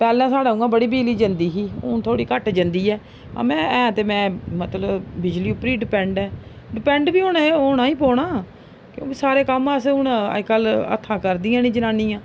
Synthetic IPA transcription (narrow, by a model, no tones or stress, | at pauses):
pɛːlɛ̃ːsaːɖaːũːãːbəɽiːbiːliːd͡ʒənd̪iːɦiːʊt̪ʰoːɽiːkəʈd͡ʒənd̪iːɛː | ã̰ːmɛ̃ːɛ̃ːt̪eːmɛ̃ːmət̪ləbbɪd͡ʒliːʊpɾiːɖɪpɛ̃ːɳɖɛː | ɖɪpɛ̃ːɳɖbiːoːɽaːoːnãːiːpɔːɳaː | kjõ̰ːkiːsaːɾeːkəmãsʊn̰kələ̰t̪ʰːãːkəɾd̪iːãːnĩːd͡ʒənaːnĩːãː